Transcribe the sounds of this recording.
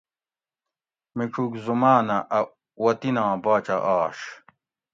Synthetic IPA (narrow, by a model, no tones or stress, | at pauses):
miʈ͡ʂʰukzumaːnɐʔɐ | wɐt̪inãːbaːt͡ɕɐʔaːɕ